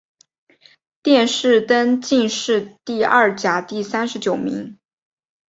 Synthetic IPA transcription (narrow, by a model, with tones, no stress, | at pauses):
t̪jɛ˥˧nʂɻ̩˥˩t̪ə˥nt͡ɕi˥˧nʂɻ̩˥˧t̪i˥˧ɐ˥˩t͡ɕja˧˥t̪i˥˩sa˥nʂɻ̩˧˥t͡ɕjo˨˩ʊmḭ˧˥ŋ